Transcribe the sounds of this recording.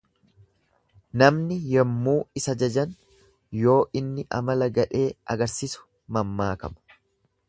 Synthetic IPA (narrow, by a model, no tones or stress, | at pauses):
nɐmnɪjɛmːuːɪsɐd͡ʒɐd͡ʒɐn | jo̞ːʔɪnːɪʔɐmɐlɐɡɐᶑe̞ːɐ̰ɡɐɾsisʊ̥ | mɐmːaːkɐ̰mɐ̥